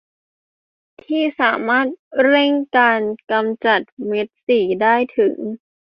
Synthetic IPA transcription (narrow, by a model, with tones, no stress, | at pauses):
t̪ʰiː˥˩saː˩˦maː˥˩t̪̚ɾe˥˩ŋkaː˧nka˧mt͡ɕa˨˩t̪̚me˦˥t̪̚siː˨˩˦daː˥˩jt̪ʰɯ˩˦ŋ